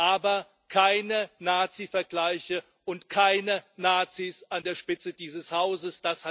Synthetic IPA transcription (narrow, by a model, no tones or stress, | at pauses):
ʔaːbɐ | kʰaɪnənaːt͡sifɛɐɡlaɪçə | ʔʊntkʰaɪnənaːt͡sisʔandeːɐʃpɪt͡sədiːzəshaʊzəsd̥asha